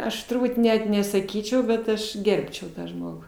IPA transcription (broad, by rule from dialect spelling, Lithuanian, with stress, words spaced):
ˈɐʃ tʊrˈbuːt ˈnʲɛt nʲɛsɐˈkʲiːt͡ʃʲɛʊ bʲɛt ˈɐʃ ˈɡʲɛrʲpʲt͡ʃʲɛʊ ˈtɑː ˈʒmoːɡʊ